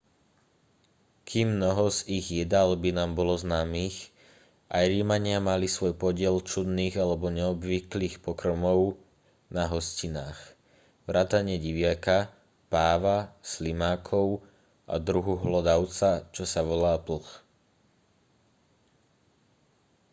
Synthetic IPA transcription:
kʰiːmːnɔɦɔziɣjɛd̪albinaːmbɔlɔznaːmiːx | ʔajɾiːmaɲɪamalisʋɔjpɔɟɪɛlt͡ʃud̪niːɣalɛbɔɲɛɔbʋikliːxpɔkɾɔmɔʊ | naɦɔscinaːx | ʋɾaːt̪aɲɪɛɟiʋɪaka | paːʋaslimaːkʰɔʊ | ʔa̰d̪ɾuɦuɦlɔd̪aʊt͡sat͡ʃɔsaʋɔlaːpl̩x

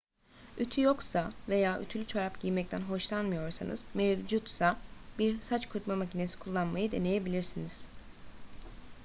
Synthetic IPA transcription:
yt̪ʰyjo̞ksave̞jaːʔy̰t̪ʰylʲyt͡ʃʰaɾapɟijmɛct̪ʰænɦo̞ʃlˠanmɯjo̞ɾsanɯ̰z̥mevd͡ʒut̪sabiɾsat͡ʃkʰut̪mamacʰine̞si̥kʰulˠːanmajɯd̪e̞ne̞je̞bilʲiɾsiniz̥

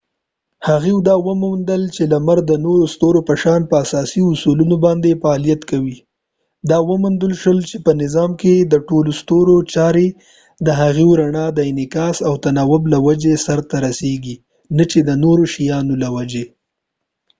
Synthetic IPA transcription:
haɣewd̪ɑwəmund̪əlt͡ʃelamaɾd̪ənoɾost̪oɾopəʃɑnpəasɑsiʊsulunobɑnd̪efaːlijat̪kawi | d̪ɑwəmʊnd̪əlʃəlt͡ʃepənɪzɑmked̪əʈolost̪oɾot͡ʃɑɾe | d̪əɦaɣewɾaɳɑd̪əɪnɪkɑsawt̪anɑwʊblawad͡ʒesaɾt̪aɾaseɡi | nat͡ʃed̪ənoɾoʃijɑnolawad͡ʒe

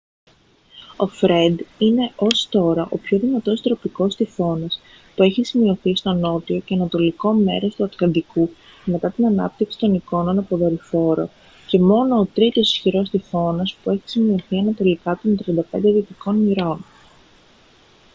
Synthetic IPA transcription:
o̞fɾe̞nd̪ine̞ʔo̞st̪o̞ɾɐʔo̞pço̞ðinɐt̪o̞st̪ɾo̞piko̞st̪ifo̞nɐs | pue̞çisimio̞θist̪o̞no̞t̪io̞ce̞ɐnɐt̪o̞liko̞me̞̰ɾo̞st̪uɐt̪lɐnd̪iku | me̞t̪ɐt̪inɐnɐ̰p̚t̪iksi̥t̪o̞niko̞nonɐpo̞ðoɾifo̞ɾo̞̰ | ce̞mo̞no̞ːt̪ɾit̪o̞si̥sçiɾo̞st̪ifo̞nɐspue̞çi̥simio̞θiɐnɐt̪o̞likɐt̪o̞nt̪ɾiɐnd̪ɐpe̞nd̪eðiot̪iko̞nmiɾo̞n

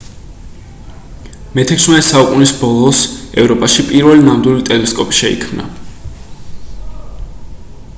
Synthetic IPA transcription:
mɛt̪ʰɛkʰsmɛsaukʼunisbɔlˠɔsɛvɾɔpʼaʃipʼiɾvɛlinamd̪wilit̪ʼɛlɛskʼɔpʼi̥ʃɛḭkʰmna̰

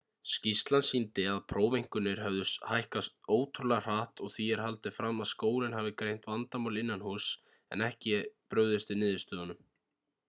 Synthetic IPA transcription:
scist̪lansint̪ɪaðpʰɾoːwvejŋ̥kʏnːɪɾ̥ɦœvðʏshajhkast̪oːwt̪ʰɾular̥aːht̪ɔɣθiɛɾ̥ɦalt̪ɪfɾamːaðskoːwlɪnhaːvɪkɾejn̥t̪vant̪amawlɪnːanhus | ɛ̰nɛhcɪpɾœːɥðɪst̪ɪnɪːðɪst̪œːðanʏm

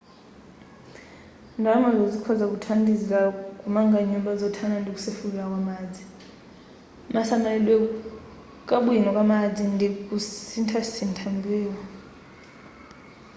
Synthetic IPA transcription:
ndʱamazozikʰɔzak̬ʼutʰandʱizik̬ʼakʼumaŋɡaɲɔɓazɔtʰanandʱik̬ʼu̥sefulɛak̬ʼwamaːd͡zʱi | masamalwɛ | kʼaɓuinɔkʼamad͡zʱindʱik̬ʼusintʰasintʰambʱɛːwa

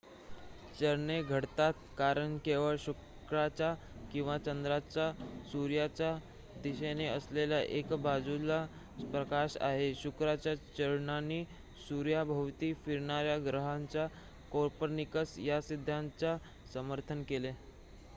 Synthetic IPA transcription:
t͡ɕəɾɳeɡʱəɽt̪at̪̚kaɾəɳkeʋəɭɕu | kɾat͡ɕa | kĩw̃ʋat͡ɕənd̪ɾat͡ɕasuɾjat͡ɕja | d̪iɕeneəsleljaʔekbad͡zula | pɾəkaɕa̰ɦeɕukɾat͡ɕjat͡ɕəɾɳanːiː | suɾjabʱəʋt̪iːfiɾɳaɾjaɡɾəɦaɲt͡ɕja | koɾpəɾnikəsjasid̪ʱːjaɲt͡ɕa | səməɾt̪ʰənkele

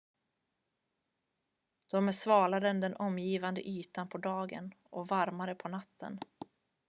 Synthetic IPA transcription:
d̪̥ɔmæsvɑːlad̪əɛnd̪ɛnʔɔmjiːvand̪ə̰ʔyːt̪anpʰɔd̪ɑːɡə̰nʔɔvaɾmaɾəpʰɔnat̪ʰːə̰n

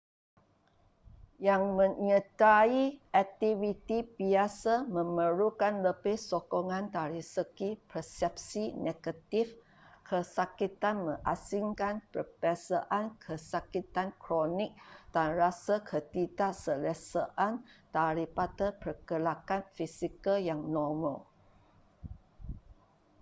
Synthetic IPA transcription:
jaŋmə̃ɲət̪aiɛk̚t̪ivit̪ibiasamə̃məɾukanləbɪhsokoŋãnt̪aɾisəɡipəsɛp̚sineɡət̪if | kʰəsakit̪anmə̰̃ŋʔasiŋkanpərpɛsaʔankʰəsakit̪ankɾonɪk̚d̥anrasakʰət̪idaʔsəlɛsəʔant̪aɾipat̪əpərɡəlakanfisikəljaŋnɔməl

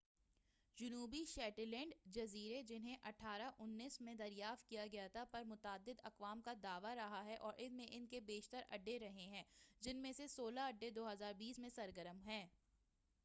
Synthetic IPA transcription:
d͡ʒʊnuːbiʃɛːʈəlɛ̃ːɳɖd͡ʒɐziːɾed͡ʒɪnɦẽʔɐʈʰaːɾaʔʊnːiːsmẽd̪ɐɾjaːft̪̚kijaɡɐjat̪ʰapɐɾmʊt̪aːd̪ːɪd̪ɐqʋaːmkad̪aːʋaɾɐɦaɦɛʔɔːɾʔɪnmẽʔɪnkebeːʃt̪əɾɐ̰ɖːeɾɐɦeɦɛ̃ːd͡ʒɪnmẽsesoːlaɐɖːed̪oːɦɐzaːɾbiːsmẽsɐɾɡəɾəmɦɛ̃ː

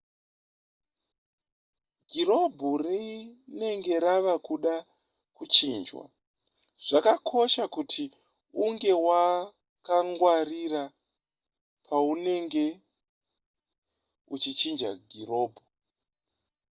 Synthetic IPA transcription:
ɡʱiro̞bʱurine̞ŋɡe̞ɾaʋakuɗa | kut͡ʃiːnd͡ʒwa̰ | ʐ̥akakʰo̞ʃakutʰi | uŋɡe̞wa | kaŋɡwarira | pʰaune̞ŋɡe̞ | ut͡ʃit͡ʃind͡ʒa̰ɡʱiɾo̞ːbʱu

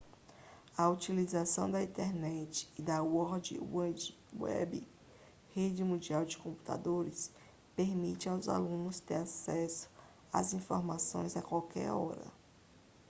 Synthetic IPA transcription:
ɐut͡ʃilizasɐ̃w̃d̪ɐĩnt̪eɾnɛt͡ʃɪ̥ːd̪ɐwɔɾd͡ʒɪ̰ | wɛ̰bi | hed͡ʒɪmũnd͡ʒiawd͡ʒɪkõpu̥t̪a̰d̪oɾɪs | peɾmit͡ʃɪawza̰lũnʊst̪eɾasɛsʊ̥ | a̰zĩfoɾmasõ̰j̃zɐkwawkɛ̰ɾɔ̰ɾɐ̰

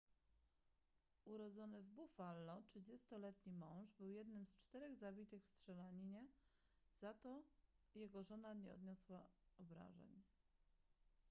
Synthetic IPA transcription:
uɾɔd̪zɔnɘvbufalːɔtʂɘd͡ʑɛst̪ɔlɛt̪ɲimɔ̃w̃ʐbɘwjɛd̪nɘmst͡ʂt̪ɛɾɛɣzabʲit̪ɘxfstʂɛlaɲiɲɛ | z̥at̪ɔ | jɛɡɔʐɔnaɲɛ̰ɔ̰d̪ɲɔswaɔbɾa̰ʐɛ̰ɲ

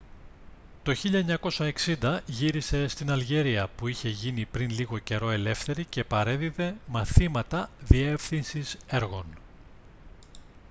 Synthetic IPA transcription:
t̪o̞çiʎɐeɲɐko̞sɐeksind̪ɐʝiɾise̞st̪inɐlʝe̞ɾiɐpuiçe̞ʝinipɾinliɣo̞ce̞ɾo̞e̞le̞fθe̞ɾice̞pɐɾeðiðe̞mɐθimɐt̪ɐðie̞fθinsise̞ɾɣo̞n

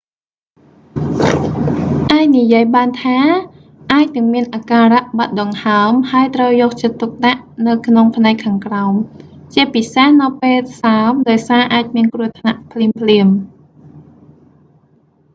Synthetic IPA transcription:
ʔaːɛc̚nijiəjɓaːnt̪ʰaː | ʔaːc̚nɨəŋmiənʔakaːraʔɓat̪̚ɗoŋhaəmhaəjt̪rəwjɔːk̚t͡ɕət̪ːuk̚ɗaʔnɨwkʰnoŋpʰnaɛkʰːaːŋkraɔmt͡ɕiəpisehnɨwpeːl̚saəmɗaɔjsaːʔaːc̚miənkruət̪ʰnaʔpʰliəmpʰliəm

